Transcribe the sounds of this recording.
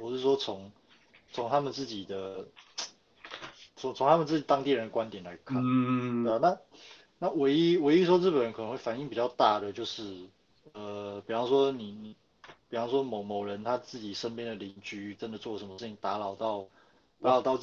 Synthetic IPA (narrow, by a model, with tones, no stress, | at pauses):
ɔ˨˩ʂɻ̩˥˩ʂwɔ˥t͡sʰo˧˦˥ŋ | t͡sʰo˧˥ŋt̪ʰa˥mə˨nt͡sɹ̩˥˩t͡ɕi˨˩d̪ə˦ | t͡sʰo˧˥ŋt͡sʰo˧˥ŋt̪ʰa˥mə˨nt͡sɹ̩˥˩t͡ɕi˨˩t̪ɑ˥ŋt̪i˥˩əɻə˧˦nd̪ə˧kwa˦nt̪jɛ˨˩nla˧ɪkʰa˥˩ne˥˩a˧˦na˥˨ | na˥˩we˧˥ɪi˥we˧˥ɪi˥ʂ̬wɔ˥ɻ̩˥˩pə˨˩ɻə˦nkʰɤ˨˩nə˧˦xwe˥˩fa˨˩ni˥˩ŋpi˨˩t͡ɕjɑ˥˧ʊt̪a˥˩d̪ə˩t͡ɕjo˥˧ʊʂɻ̩˥˩ | ə˧pi˨˩fɑ˥ŋʂwɔ˥ni˨˩ni˨˩ | pi˨˩fɑ˥ŋʂ̬wɔ˥mo˨˩ʊmo˨˩ʊɻə˧˦nt̪ʰa˥t͡sɹ̩˥˩t͡ɕi˨˩ʂə˥npjɛ˥nd̪ə˨˩li˧˥nt͡ɕy˥ʈ͡ʂə˦˥nd̪ə˨t͡swɔ˥˩ʂə˧˦mə˧ʂ̩˥˩ni˨˩t̪a˧˥lɑ˨˩˦ʊt̪ɑ˥˩ʊ | t̪a˨˧˥lɑ˨˩ʊt̪ɑ˥˧ʊ